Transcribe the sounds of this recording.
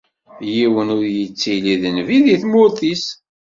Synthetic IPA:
jiwənʊɾjət͡sːiliðənviðiθmʊɾθis

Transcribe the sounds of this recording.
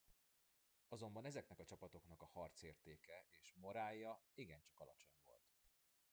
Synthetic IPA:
ɒzo̞mbɒnɛzɛknɛkɒt͡ʃɒpɒt̪o̞kn̪ɒkɒhɒrt̪seːrt̪eːkɛʔeːʃmo̞ɾaːjːɒiɡɛnt͡ʃɒkɒlɒt͡ʃo̞ɲvo̞̰lt̪

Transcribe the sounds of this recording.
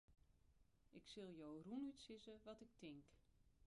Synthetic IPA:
ʔɪksɪlˠjowrunytsɪzəʋɔtɪk̚tɪŋk

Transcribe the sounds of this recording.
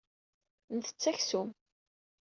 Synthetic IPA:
nθə̥t͡sːæçsum

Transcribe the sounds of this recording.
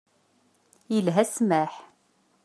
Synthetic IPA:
jəlɦæsmæħ

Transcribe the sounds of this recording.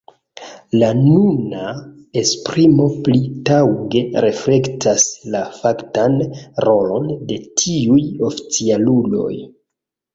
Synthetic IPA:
lanuna | e̞spɾimo̞plitawɡe̞ɾe̞fle̞ktʰaslafaktanro̞lo̞nde̞tʰiujo̞fi̥t͡sialulo̞̰j

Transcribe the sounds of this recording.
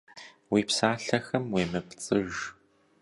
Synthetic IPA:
wiːpsaːɬɐxɐmweːmɐpt͡sʼɨʒ

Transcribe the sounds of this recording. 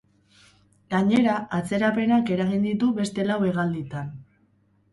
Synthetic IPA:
ɡaɲe̞ɾaat͡se̞ɾape̞nake̞ɾaɣind̪it̪uβe̞st̪e̞lawe̞ɣald̪it̪an

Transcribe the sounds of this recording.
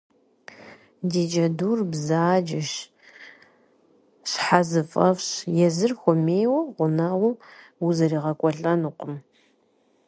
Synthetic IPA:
diːd͡ʒɐduːrbzaːd͡ʒɪʃ | ɕħazɨfʼɐfɕjɛzɨrxʷɔmeːjwɐʁʷʊnɐʁʷʊuzɐɾiːʁɐkʷʼɔɬʼɐnɨqʷʼʊm

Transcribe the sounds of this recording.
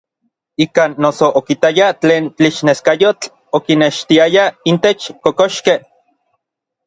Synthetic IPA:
ikaːnːosoʔokit̪ajat͡ɬeːnt͡ɬiʃneskajot͡ɬ | okineʃt̪iajaint̪et͡ʃkokoʃkeh

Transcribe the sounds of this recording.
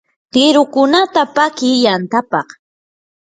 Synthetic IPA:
t̪ɪɾʊkʊnat̪apakɪjant̪apɑχ

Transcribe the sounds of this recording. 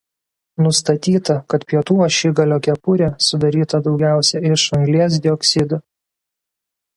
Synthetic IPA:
nʊst̪ɐt̪ʲiːt̪ɐkɐt̪pʲiɛt̪uːoʃʲiɡɐlʲoːkʲɛpʊɾʲesʊd̪ɐɾʲiːt̪ɐd̪ɒʊɡʲæˑʊsʲɛɪʃɐŋʲɡlʲiɛs̬d̪ʲɪɔksʲɪd̪ʊ

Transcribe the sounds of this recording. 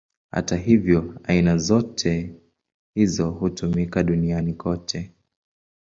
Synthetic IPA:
ha̰taɦivjɔainazɔtʰɛ | hizɔhutumikaɗunianikɔtʰɛ

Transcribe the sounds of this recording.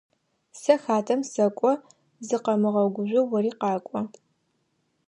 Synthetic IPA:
sɐxaːtʰɐmsɐkʷʼɔ | zɨqɐmɨʁɐwɡʷʊʒʷɪwɐriːqɑːkʷʼɔ

